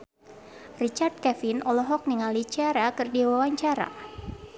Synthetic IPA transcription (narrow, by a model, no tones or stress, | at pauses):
rit͡ʃard̪̚kɛfinɔlɔɦɔk̚niŋalit͡ʃaɾakɨrdiwawaɲt͡ʃaɾa̰